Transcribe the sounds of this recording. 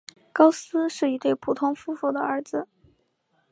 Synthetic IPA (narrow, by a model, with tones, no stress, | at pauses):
kɑ˥ʊsɹ̩˥ʂɻ̩˥˩i˧˥t̪we˥˩ɪpʰu˨˩t̪ʰʊ˥ŋfu˥fu˥˩d̪ə˩ə˞˧˥d͡zɹ̩˧